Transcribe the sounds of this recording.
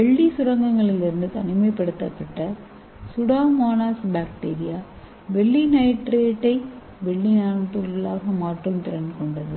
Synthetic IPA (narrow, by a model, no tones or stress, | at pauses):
ʋɛɭːisʊɾɐŋɡɐŋɡɐɭɪlːɪɾɯnd̪ɯt̪ɐnɪmɐɪpːɐɽɯt̪ːɐpːɐʈːɐ | sʊɽaːmaːnaːsbaːkʈeːɾɪjaː | ʋɛɭːinɐɪʈɾeːʈːɐɪ | ʋɛɭːinaːnʈːɯllaːɣɐmaːʈrɯmt̪ɪɾɐnɖɯkɔɳɖɐðɯ